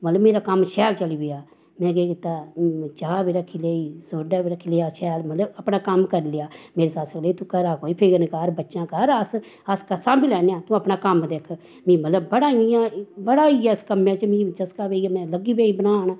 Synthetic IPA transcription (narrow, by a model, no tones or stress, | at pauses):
mət̪ləbmeːɾaːkəmʃɛːlt͡ʃəliːʋejaː | mɛ̃ːɡeːkɪt̪aːt͡ʃaːbeːɾaːkʰɪleːiːsoːɖaːbeːɾaːkʰɪleaːʃɛːlmət̪ləbəpnaːkəmkəɾlɪjaːmeːɾeːsaːt̪səɡleːt̪ũːkəɾaːkõːiːpʰeɡənkaɾbətːʃãːkəɾəs | əskəsãːbiːlɛːnjãːt̪ũəpnaːkəmd̪eːkʰ | mĩːmət̪ləbːəɽaːɪjãːbəɽaːiːaskəmãːt͡ʃəmĩːd͡ʒəskaːʋeːiamɛ̃ːləɡiːbeːiːbənaːnː